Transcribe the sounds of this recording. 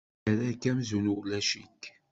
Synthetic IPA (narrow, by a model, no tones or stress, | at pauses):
æɾækːæmzunulæʃit